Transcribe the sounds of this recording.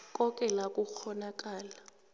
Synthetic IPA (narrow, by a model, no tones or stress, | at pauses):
kʼɔkʼɛlakʼuxɔnak̬ʼaːla